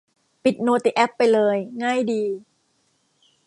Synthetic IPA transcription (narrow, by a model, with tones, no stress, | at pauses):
pi˨˩t̪̚noː˧t̪i˨˩ʔɛ˦˥pːa˧jlɤː˧jŋaː˥˩jdiː˧